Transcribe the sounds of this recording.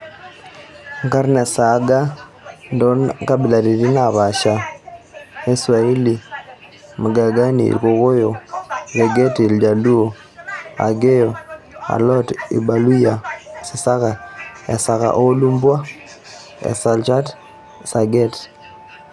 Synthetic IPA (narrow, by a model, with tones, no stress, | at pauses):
ŋɡa˦ɾnɛ˨sa˨˦ɡa˦ | ndo˦nka˦bɪ˨la˨ɾi˨ɾi˦na˨βa˨ʃa˨ | e˦swa˨i˦li˨ | ma˨ɡa˨ɡa˦nḭ˨ɾko˨ɣo˦jo˨ɡe˨ɡe˦ti˨ld͡ʒa˨lu˦o˨ | a̰˨ɡe˦jo˨ | a̰˨lɔ˦tḭ˨ba˨lu˦ja˨si˨sa˦ɣa˨ɛ̰˨sa˨ɣa̰˨ʔo˦lu˦mbwa˦ | ɛ̰˨sa˨lt͡ʃa˦t | sa˨ɡe˦t